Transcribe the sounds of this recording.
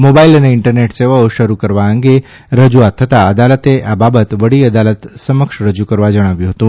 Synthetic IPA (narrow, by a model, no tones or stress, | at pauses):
mobailəneɪɳʈəɾneʈseʋaoʃəɾukəɾʋaəŋɡe | ɾəd͡ʒuat̪ʰːət̪aəd̪alət̪eʔababət̪ʋəɽiəd̪alət̪səməkʃɾəd͡ʒukəɾʋad͡ʒəɽ̃aʋjũɦət̪ũ